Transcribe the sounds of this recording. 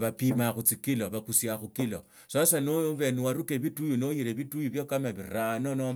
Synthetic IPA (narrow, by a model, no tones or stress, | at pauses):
βapimaxut͡sikiloβakusjaxukilo̰ | sasanoβe̞nuwaɾukeβitujunojiɾeβitujuβjokamaβiranono